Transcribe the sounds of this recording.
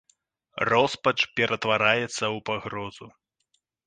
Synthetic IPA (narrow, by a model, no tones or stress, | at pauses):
rɔspɐt͡ʂpʲɛɾʔɐt̪vaɾajɛt̪sːɐwpaɣɾɔz̥u